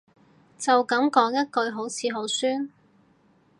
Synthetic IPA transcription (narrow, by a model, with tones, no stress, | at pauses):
t͡sɐ˨wkɐ˨˥mkɔː˨˥ŋjɐ˥t̚kɵ˧ɥɦo˨˥wt͡sʰiː˨˧ɦo˨˥wsyː˥n